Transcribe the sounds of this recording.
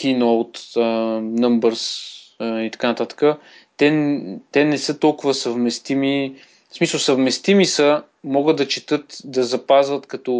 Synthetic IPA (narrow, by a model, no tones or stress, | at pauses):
k̟inoot̪ənəmbəɾs | it̪ɐ̥kanɐt̪at̪ə̥kə | t̪ɛt̪ɛnɛsɤt̪ɔlˠkʊvəsəvmɛst̪imi | smisəlˠsəvmɛst̪imisə | mɔɡəd̪d̪ɐt͡ʃɛt̪ɤt̪d̪ɐzɐpazvət̪kɐt̪ɔ